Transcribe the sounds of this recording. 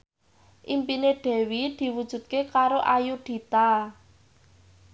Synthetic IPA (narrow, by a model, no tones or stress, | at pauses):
ʔimpineɖ̥ɛ̤wid̪̥i̤wud̥ʒ̥ṳd̪̥̚kekaɾoʔajuɖ̪̥i̤t̪a